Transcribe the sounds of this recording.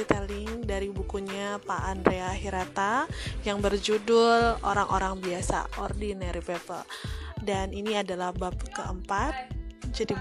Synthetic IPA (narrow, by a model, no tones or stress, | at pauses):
it̪elɪŋdaɾibukuɲapaʔanreaɦiɾat̪ajaŋbərd͡ʒudʊlo̰ɾaŋʔo̰ɾaŋbiasa̰ʔɔrdinaɾipɛpə̰ldaniniadalahbap̚kəʔəmpat̪̚d͡ʒadi